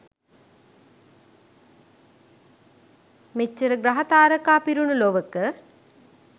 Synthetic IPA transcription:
met͡ʃːəɾəɡɾaɦɐt̪aːɾəkaːpiɾunuloʋəkə

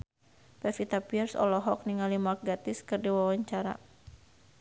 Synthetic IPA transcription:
pɛfit̪apiɛrsɔ̰lɔɦɔk̚niŋalimark̚ɡat̪ɪskɨrdiwawaɲt͡ʃaɾa̰

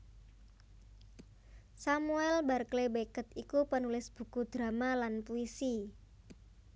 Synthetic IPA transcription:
samuɛlbarklebekət̪̚ikupənulɪsb̥ṳkud̪̥ɾa̤malanpuisi

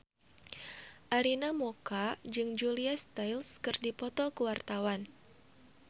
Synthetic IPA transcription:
ʔaɾinamokad͡ʒɨŋd͡ʒuliast̪ajlskɨrdipɔt̪ɔkəwart̪awan

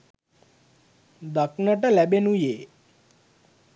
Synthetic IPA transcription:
d̪əknəʈəlɛbenũje

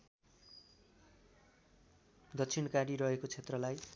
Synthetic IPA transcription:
d̪ʌkt͡sʰinkaɽiɾʌɦekot͡sʰet̪rʌlaj

